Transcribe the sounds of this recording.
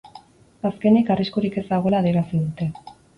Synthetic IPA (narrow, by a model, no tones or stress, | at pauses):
aske̞nikariskuɾike̞zd̪aɣo̞laːðieɾasiðut̪e̞